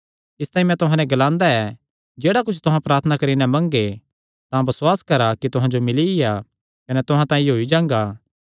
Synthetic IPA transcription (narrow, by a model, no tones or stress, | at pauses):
ɪst̪aːĩmɛ̃t̪ʊɦãnɛ̃ɡɐlãːnd̪aɛ | d͡ʒeːɽakʊt͡ʃʰt̪ʊɦãpɾaːɾt̪ʰənakɐɾinɛmɐ̃ŋɡe | t̪ãbɐswaːskɐɾakit̪ʊɦãd͡ʒomɪlija | kɐnɛt̪ʊɦãt̪ãːĩɦoːid͡ʒãːŋɡaː